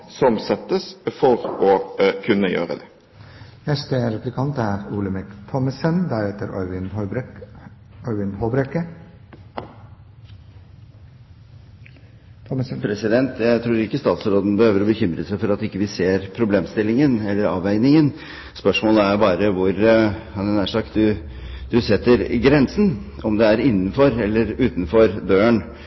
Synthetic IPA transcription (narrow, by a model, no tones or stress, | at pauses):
sɔmsɛt̪ːəsfɔɾɔkʰʉnːəjø̰ːɾə̰d̪ɛ | nɛst̪əɾɛplɪkʰɑnt̪æɾuːləmɛkt̪ʰɔməsənd̪æɾhɛt̪əɾɔʏʋɪn | ɔɾʋɪnhoːbɾɛkə | pʰɾɛsɪd̪ɛnt̪jæɪt̪ʰɾuːɾɪkːəst̪ɑːt̪sɾoːd̪n̩bəhøːʋəɾɔbəçʏmɾəsæɪfɔɾɑt̪ɪkːəʋɪseːɾpʰɾʊbleːmst̪ɪlːɪŋənɛlːəɾɑ̰ːʋæɪnɪŋən | spœʂmoːləæɾbɑːɾəʋʊɾhɑnɛnæʂɑkt̪̚d̪ʉ | d̪ʉsɛt̪ːəɾɡɾɛnsn̩ɔmd̪ɛæɾɪnːn̩fɔɾɛlːəɾʉːt̪nfɔɾd̪øːəɳ